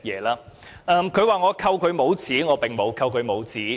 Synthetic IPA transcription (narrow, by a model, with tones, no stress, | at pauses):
jɛː˨˧laː˧ʔɐː˧mkʰɵ˨˧ɥwaː˨ŋɔː˨˧kʰɐ˧wkʰɵ˨˧ɥmo˨˧wt͡siː˨˥ŋɔː˨˧pɪ˨ŋmo˨˧wkʰɐ˧wkʰɵ˨˧ɥmo˨˧wt͡siː˨˥˦